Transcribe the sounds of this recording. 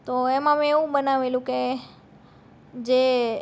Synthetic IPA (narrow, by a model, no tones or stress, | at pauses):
t̪oemãmeʋũbənaʋeljũke | d͡ʒe